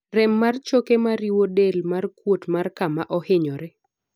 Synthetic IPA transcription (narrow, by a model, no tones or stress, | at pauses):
rɛmːart͡ʃokemaɾiwodelmarkwotmarkamaʔɔhɪɲɔɾɛ